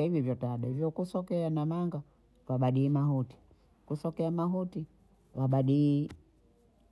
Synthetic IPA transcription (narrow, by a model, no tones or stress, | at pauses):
aivivjɔtaɗɛvjɔkusɔkɛanamaŋɡa | vaɓaɗiːmaɦuti̥ | kusɔkɛamaɦuti | waɓaɗiː